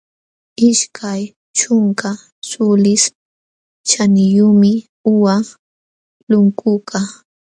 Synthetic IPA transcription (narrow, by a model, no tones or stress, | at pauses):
ɪʃkʰaj | t͡ʃʊŋka | sʊlɪs | t͡ʃanɪjʊmɪ | ʊwa | lʊŋkʊka